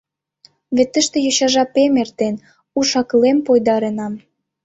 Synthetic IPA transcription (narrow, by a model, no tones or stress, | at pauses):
βet̪ːə̆ʃt̪ĕjoɕɑʒɑpemert̪en | uʃɑkəlempojd̪ɑɾenɑm